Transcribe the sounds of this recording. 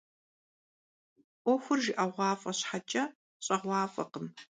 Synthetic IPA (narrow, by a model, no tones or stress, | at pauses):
ʔʷɔxʷʊrʒɪʔɐʁʷɑːfʼɐɕħat͡ʃʼɐ | ɕʼɐʁʷɑːfʼɐ̰qəm